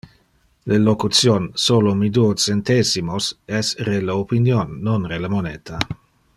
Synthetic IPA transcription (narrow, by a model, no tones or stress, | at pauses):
lelokut̪sjonsolomid̪uot͡sent̪esimosɛsreleopinjonːonreləmoneːt̪ʰa